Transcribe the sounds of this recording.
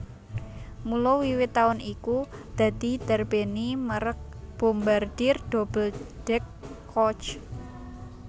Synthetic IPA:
mulɔwiwɪt̪ːaʊnikud̪̥a̤d̪̥i̤d̪̥ərb̥eniməɾək̚ | b̥ombard̪̥ɪrd̥ob̥əld̥ɛkʰː | ɔt͡ʃ

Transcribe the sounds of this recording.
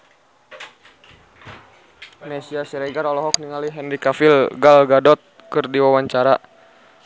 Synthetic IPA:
mɛsiasiɾɛɡaɾɔlɔɦɔk̚niŋaliɦɛndikafilɡalɡadɔt̪̚ | kɨrdiwawaɲt͡ʃaɾa

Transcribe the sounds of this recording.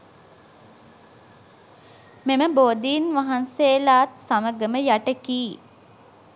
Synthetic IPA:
meməboːd̪iːnʋaɦanseːlaːt̪saməɡəməjaʈəkiː

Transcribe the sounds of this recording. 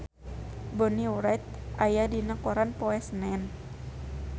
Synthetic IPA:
bɔniuɾajt̪̚ʔajadinəkɔɾanpɔɛsnɛn

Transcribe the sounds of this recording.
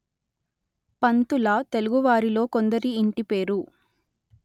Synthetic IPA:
pɐnt̪ulɐt̪e̞luɡuʋaːɾilo̞ːko̞nd̪ɐɾiːɳʈipe̞ːɾu

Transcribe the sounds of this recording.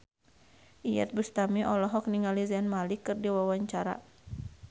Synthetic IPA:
ʔijɛ̰t̪̚bəst̪amiʔɔlɔɦɔk̚niŋalizanmalikɨrdiwawaɲt͡ʃaɾa̰

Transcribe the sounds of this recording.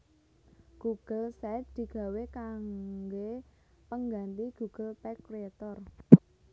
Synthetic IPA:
ɡ̥uɡ̥əlsɛt̚d̪̥i̤ɡ̥a̤wekaŋɡe | pəŋɡant̪iɡ̥ṳɡ̥ə̤lpɛkɾeet̪ɔr

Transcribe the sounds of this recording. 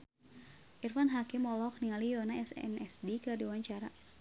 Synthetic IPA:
ʔirfanɦakɪmɔlɔkniŋalijɔnaɛsɛ̰nɛsdikadiuwaɲt͡ʃaɾa

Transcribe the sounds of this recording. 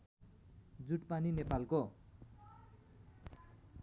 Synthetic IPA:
d͡zuʈpaninepalko

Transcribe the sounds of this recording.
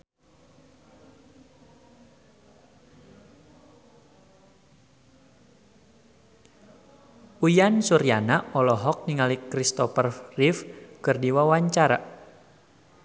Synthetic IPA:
ujansuɾianaɔlɔɦɔk̚niŋalikɾist̪ɔfərrifkɨrdiwawaɲt͡ʃaɾa̰

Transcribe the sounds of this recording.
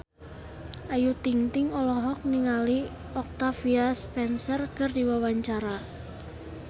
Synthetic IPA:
ʔajut̪iŋt̪ɪŋɔlɔɦɔk̚niŋali | ɔk̚t̪afiaspɛnsərkərdiwawaɲt͡ʃaɾa

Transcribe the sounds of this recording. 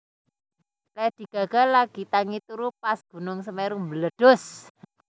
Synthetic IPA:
lɛd̪̥i̤ɡ̥a̤ɡ̥a̤laɡ̥i̤t̪aŋit̪uɾupasɡ̥ṳnʊŋsəmeɾumbələɖ̥ɔ̤s

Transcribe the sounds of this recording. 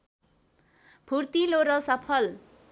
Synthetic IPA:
bʰʱurt̪iloɾʌsʌpʰʌl

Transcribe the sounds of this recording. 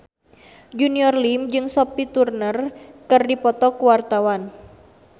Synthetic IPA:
d͡ʒuniɔrlimd͡ʒɨŋsɔpit̪urnərkɨrdipɔt̪ɔkuwart̪awan

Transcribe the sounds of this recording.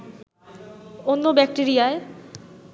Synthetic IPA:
onːobɛk̚ʈeɾijae

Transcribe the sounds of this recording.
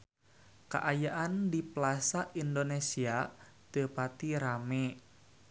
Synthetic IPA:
ka̰ʔajaʔandiplasaʔindonesia | t̪əpat̪iɾame

